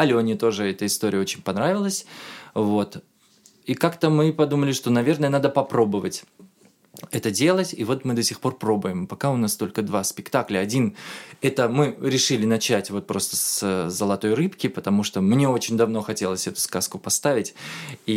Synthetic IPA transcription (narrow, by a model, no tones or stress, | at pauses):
alʲoɐnʲit̪o̞ʐɨɛt̪əɪst̪o̞ɾʲɪjəot͡ɕɪnʲpɐnɾavʲɪlˠəsʲvo̞t̪ | ikakt̪əmɨpɐd̪uməlʲɪʂt̪o̞nɐvʲe̞rnəjənad̪əpɐpɾo̞bəvətʲ | ɛt̪ədʲe̞lˠətʲivo̞t̪mɨd̪ɐsʲɪxpo̞rpɾo̞bʊɪmpɐkaʊnast̪o̞lʲkəd̪vaspʲɪkt̪aklʲəɐdʲinɛt̪əmɨɾʲɪʂɨlʲɪnɐt͡ɕætʲvo̞t̪̚pɾo̞st̪əszəlˠɐt̪o̞jrɨpkʲɪpət̪ɐmuʂt̪omnʲe̞o̞t͡ɕɪnʲd̪ɐvno̞xɐtʲe̞lˠəsʲɛt̪ʊ̥skaskʊpɐst̪avʲɪtʲi